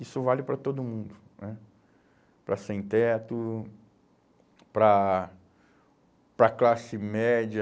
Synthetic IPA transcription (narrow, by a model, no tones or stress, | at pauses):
isʊvalɪpɾɐt̪od̪ʊmũnd̪ʊnɛ | pɾɐsẽt̪ɛt̪ʊ | pɾɐ | pɾɐklasɪmɛd͡ʒɐ